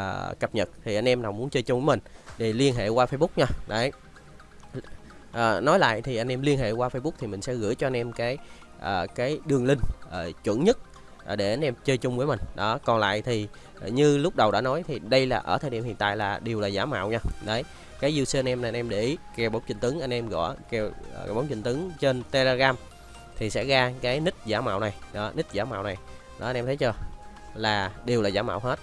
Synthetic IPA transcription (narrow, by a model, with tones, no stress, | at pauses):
əː˨˩kə˨˩p̚ɲə˨˩t̚t̪ʰi˨˩ʔa˧jʔɛ˧mnaː˨˩wmu˨˦nt͡ɕəː˧jt͡ɕʊ˧ŋ͡mvəː˨˦mï˨˩ŋ̟ɗe˨˧˩li˧ənɦḛ˧˨kwaː˧fə˧jɓʊ˦˥k͡p̚ɲaː˧ɗə˨˦j | ʔəː˨˩nɔ˨˦jla̰ː˧˨jt̪ʰi˨˩ʔa˧jn̟ʔɛ˧mli˧ənɦḛ˧˨kwaː˧fə˧jɓʊ˦˥k͡p̚t̪ʰi˨˩mï˨˩ŋ̟sɛ̰˧˥ɣɨ̰˧˥əjt͡ɕɔ˧ʔa˧nʔɛ˧mkaː˨˦j | ʔəː˨˩kaː˨˦jɗɨ˨˩əŋlï˧ŋʔəː˨˩t͡ɕwə̰˧˥nɲə˦˥t̚ | ʔɗe˧˩ʔa˧nʔɛ˧mt͡ɕəː˧jt͡ɕʊ˧ŋ͡mvəː˨˦jmï˨˩ŋ̟ɗɔ˨˦kɔ˨˩nla̰ː˧˨jt̪ʰi˨˩ | ɲɨ˧lʊ˦˥k͡p̚ɗə˨˩wɗa̰ː˧˥nɔ˨˦jt̪ʰi˨˩ɗə˧jlaː˨˩ʔəː˧˩t̪ʰəː˨˩ɗḭ˧˨mhḭ˧˨ənt̪a̰ː˧˨jlaː˨˩ɗi˨˩əwlaː˨˩zaː˨˦ma̰ː˧˨wɲaː˧ɗə˨˦j | kaː˨˦jzu˧səː˧ʔnʔɛ˧mna˨˩˨nʔɛ˧mɗe˧ʔi˨˦kɛ˨˩wɓa˨˦wŋ͡mt͡ɕï˧˩ŋ̟t̪ɨ˨˦ŋʔa˧jŋ̟ʔɛ˧mɣɔ̰˧˩kɛ˨˩wɓa˨˦ŋ͡mt͡ɕï˧˩ŋ̟t̪ɨ˨˦ŋt͡ɕe˧nt̪e˧le˧ɣaː˧m | t̪ʰi˨˩sɛ̰˧˥ɣaː˧kaː˨˦jnï˦˥k̟̚zaː˧˩ma̰ː˧˨wna˨˩jɗɔ˨˦nï˦˥k̚zaː˧˩˦ma̰ː˧˨wna˨˩jɗɔ̰˨˦a˧nɛ˧t̪ʰə˨˦jt͡ɕəː˧ | laː˨˩ɗi˨˩wlaː˨˩zaː˧˦ma̰ː˧˨wɦe˦˥t̚